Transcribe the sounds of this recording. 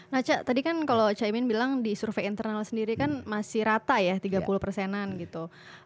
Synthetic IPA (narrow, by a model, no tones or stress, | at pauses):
nat͡ʃat̪adikankalot͡ʃaimɪnbilaŋdisurfeint̪ərnalsəndiɾikanmasɪhɾat̪ajat̪iɡapuluhpərsɛnanɡit̪u